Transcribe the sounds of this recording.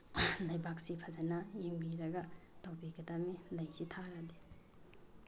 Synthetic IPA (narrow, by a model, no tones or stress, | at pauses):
lɐjbak̚sipʰazanajiŋbiɾɐɡɐtawbiɡɐdamilɐjsitʰaɾadi